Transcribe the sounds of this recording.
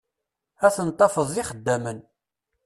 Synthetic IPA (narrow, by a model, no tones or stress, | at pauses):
æθənt̪ˤːɑfəðˤiχəd̪ːæmən